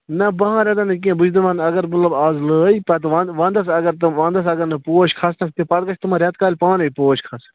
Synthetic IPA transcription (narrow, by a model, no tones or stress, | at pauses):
nɐbɐɦãːɾʲẽd̪anɐk̬iẽbʊd͡ʒd̪ɐʋanɐɡəɾmɐt̪lɐbaːzləːipɐt̪ʋaʋãːnd̪ɐsɐɡɐɾt̪ɐʋãːnd̪ɐsɐɡɐɾnɐpoːʃkʰɐsnɐk̚ʰt̪epɐt̪kɐt͡ʃʰt̪ɐmãːɾʲɐt̪kaːlʲpãːnɐipoːʃkʰɐs